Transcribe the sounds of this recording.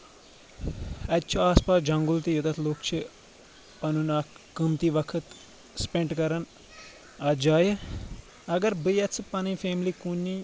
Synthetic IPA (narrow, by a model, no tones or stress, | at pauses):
ɐt͡ʃʰuaːspaːsd͡ʒɐ̃ŋɡult̪ijut̪ɐt̪ʰloːkt͡ʃʰi | pɐnunaːkkːɨmt̪iʋɐkʰət̪ | spẽɳʈkɐɾɐn | ɐːd͡ʒaːjə | ɐɡɐɾbɨjɐt͡sʰɨpɐnɨjfeːmlikunːi